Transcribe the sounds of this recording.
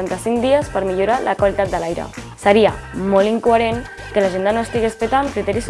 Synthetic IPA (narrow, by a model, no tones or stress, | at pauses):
ant̪əsiŋd̪iəspəɾmiʎuɾalʔəkwalit̪at̪̚d̪əlajɾə̰ | səɾiamɔliŋkuəɾen | kəlaʒend̪ənoest̪iɣespət̪ankɾit̪ɛɾis